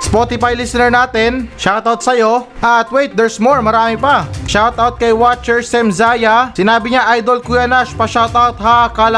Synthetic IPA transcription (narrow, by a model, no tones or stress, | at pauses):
spoːt̪ɪfajlisɪnɛɹnaːt̪ɛnʃawt̪awt̪̚sɐjo̞ʔɐt̪wejt̪̚d̪ɛɹsmoɹmɐɾaːmɪpɐʃawt̪awt̪̚kɐjwat͡ʃɛɹsɛmzaːjɐsɪnaːbɪɲaʔajd̪olkuɛnaʃpɐʃawt̪awt̪hakalɐ